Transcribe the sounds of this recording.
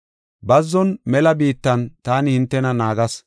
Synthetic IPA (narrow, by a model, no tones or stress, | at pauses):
bɐzːɔnmɛlɐbiːt̪ːɐnt̪aːnɪhɪnt̪ːɛnɐnaːɡɐs